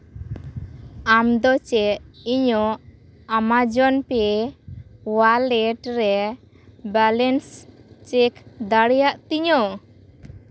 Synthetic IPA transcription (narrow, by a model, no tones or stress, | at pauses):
amd̪ɔt͡ʃɛʔiɲɔʔ | amad͡ʒɔnpɛ | walɛʈɾɛ | balɛnst͡ʃekd̪aɽɛjaʔt̪iɲɔ